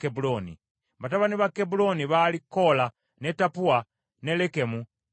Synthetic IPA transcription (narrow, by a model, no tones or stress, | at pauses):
kebulonḭ | βataβaniβakebuloniβalikːola | netapua | nelekemu